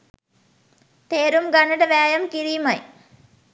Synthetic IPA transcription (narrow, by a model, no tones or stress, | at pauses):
t̪eːɾumɡanəʈəʋæːjɐmkiɾiːmaj